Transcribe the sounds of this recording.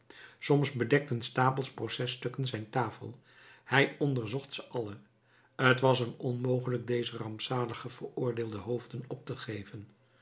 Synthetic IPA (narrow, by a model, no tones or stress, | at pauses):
sɔmzbədɛk̚tənstaːpəlˠsprowsɛstɵkənzɛjntaːfə̰lˠ | hɛjɔndəɹzɔχtsəʔɑlə | ətʋɑsənɔnmowχələɡ̚dejzərɑmpsaːləχəv̥əɹʊːɹdɪːlˠdəɦowvdənɔp̚təχejvən